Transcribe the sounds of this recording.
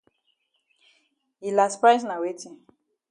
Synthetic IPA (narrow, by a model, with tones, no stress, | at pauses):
i˨la˨spa˦sna˨we˦tĩ˨